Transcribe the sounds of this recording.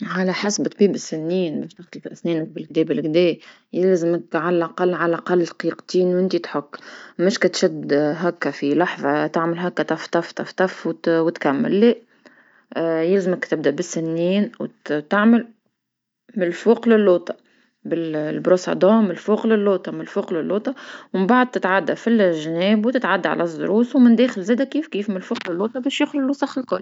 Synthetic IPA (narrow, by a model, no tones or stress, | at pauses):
ʕalæħasbt̪ˤbiːbɪsːɪnːiːnbɛːʃt̪ɪxt̪fʔsnɛːnək̚bɪlɡ̚d̪ɛːbɪlɡd̪ɛː | jɪlzɪməkʕalælʔaqɑlːʕalæʔɑqɑlːqiːqt̪iːnwʔɪnt̪it̪ħʊkːmɪʃkæt̪ʃɪd̪ɦækːæfilɑħðˤɑt̪aʕməlɦækːæt̪ɑft̪ɑft̪ɑft̪ɑfwwɪt̪kamːə̰lːe | jɪlzməkt̪ɪb̚d̪æʔbɪsːɪnːiːnwt̪aʕməl | mɪlfuːqlɪlːoːt̪ˤɑ̥ | bɪllbɾosɑ̰d̪ɑ̃ːmɪlfuːqlɪlːoːt̪ˤɑmɪlfuːqlɪlːoːt̪ˤɑwɪmbaʕd̪̚t̪ɪt̪ʕad̪ːæfilʒːnɛːbwt̪ɪt̪ʕad̪ːaʕa̰læzˤːʊ̰ɾuːswmɪnd̪ɛːxɪlzɛːd̪ækiːfkiːfmɪlfuːqlɪlːoːt̪ˤɑbɛːʃjʊxlɪlːusɑxɪlkʊlː